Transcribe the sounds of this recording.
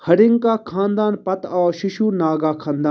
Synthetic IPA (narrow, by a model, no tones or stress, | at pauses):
hɐɾɪŋkaːkʰãːnd̪aːnpɐt̪aːʃɪʃuːnaːɡaːkʰãːnd̪aː